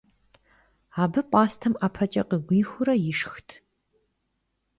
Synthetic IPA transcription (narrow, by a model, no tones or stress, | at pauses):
aːbɨpʷʼaːstʰɐmapʰɐt͡ʃʼɐqəɡʷiːxʷʊɾɐjɪʂxtʰ